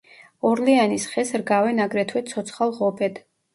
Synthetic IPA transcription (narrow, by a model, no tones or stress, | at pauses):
ɔɾlianisχɛsɾɡavɛnaɡɾɛt̪ʰwɛt̪sʰɔt̪sʰχalˠʁɔbɛd̪̥